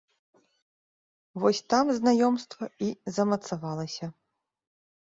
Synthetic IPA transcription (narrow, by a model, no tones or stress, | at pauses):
vɔsʲt̪amznajɔmst̪vɐizɐmɐt̪savalˠɐsʲɐ